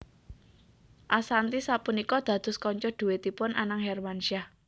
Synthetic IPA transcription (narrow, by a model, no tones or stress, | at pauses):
ʔasant̪isapunikɔd̪̥ä̤d̪̥ʊ̤skɔɲt͡ʃɔd̪̥uwet̪ipʊnʔanaŋɦɛrmanʃiah